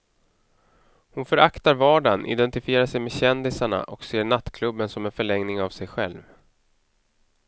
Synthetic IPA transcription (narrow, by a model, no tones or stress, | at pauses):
hʊnfœɾakt̪aɾvɑːɖanʔɪ̰d̪ɛnt̪ɪfɪeːɾaʂɛjmeːɕɛnd̪ɪsaɳa̰ʔɔkseːɳat̪ːkʰlɵbːənsɔmɛnfœɭɛŋnɪŋavsɛjɧɛ̰lv